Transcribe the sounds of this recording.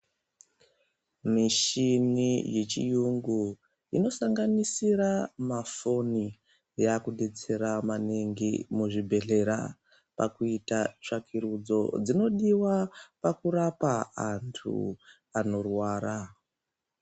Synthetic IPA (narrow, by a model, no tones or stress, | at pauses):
miʃinije̞t͡ʃḭjuŋɡu | ino̞saŋɡanisiɾamafo̞ni | jakuɗet͡se̞ɾamaneŋɡimuʐibʱe̞ɮe̞ɾa̰ | pa̰kuitat͡ʂakʰiɾud͡zo̞̰d͡zino̞ɗiwapakuɾapaantʰṵ | ano̞rwaːɾa